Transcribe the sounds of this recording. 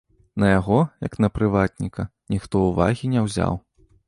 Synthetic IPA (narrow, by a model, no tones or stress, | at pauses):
nɐjaɣɔjɐknɐpɾɨvat̪̚ʲnʲikɐnʲixt̪ɔuva̰ɣʲinʲɛwzʲa̰w